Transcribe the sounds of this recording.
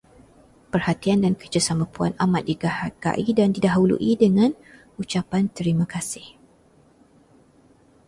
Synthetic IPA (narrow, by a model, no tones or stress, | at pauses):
pərhat̪iandankəd͡ʒəsamãpua̰namat̪̚diɡahaɡa̰ʔidandidaɦulṵʔidəŋãn | ut͡ʃapant̪əɾimãkasɪh